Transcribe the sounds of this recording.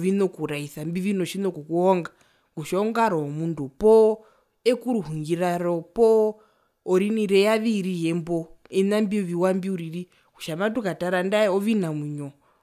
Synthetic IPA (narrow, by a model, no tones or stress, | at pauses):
ʋinokuɾaisambiʋinoʃinokukuɦoŋɡa | ŋɡuʃɔɔŋɡaɾɔomundupɔ | ekuɾuɦuŋɡiɾaɾopoː | ɾiniɾejaʋiɾijembo | enambioʋiwambiuɾiri | kuʃamatukataɾandaoʋinamuɲo